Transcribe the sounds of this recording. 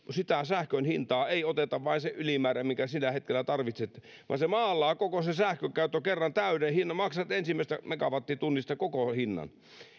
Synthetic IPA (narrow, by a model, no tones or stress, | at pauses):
sit̪æsæhkønhint̪ɑːeiot̪et̪ɑʋʋɑinseʔylimæːɾæmiŋkæsilːæhet̪̚kelːˑæt̪ɑrʋit̪set̪ː | ʋɑ̰ːnsemɑːlːɑːkokosesæhkøkæyt̪ːokerːɑnt̪æynehinːɑmɑksɑt̪ensimːæˑist̪æmekɑʋɑt̪ːit̪unːist̪ɑkokohinːɑ̰n